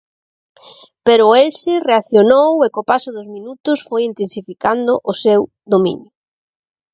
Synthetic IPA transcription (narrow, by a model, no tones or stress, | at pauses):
peɾʊelsɪreaθjonowekopasʊðʊzminut̪ʊsfojint̪ensifikand̪ʊʔʊsew | ðd̪omḭɲjʊ